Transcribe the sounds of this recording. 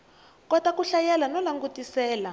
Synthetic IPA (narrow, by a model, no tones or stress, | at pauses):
kɔtakuɬajɛlanɔlaŋɡutisɛːla